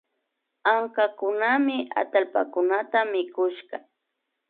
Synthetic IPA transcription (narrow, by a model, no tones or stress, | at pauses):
aŋkakʊnamɪa̰t̪alpa̰kʊnat̪amɪkʊʃɢɑ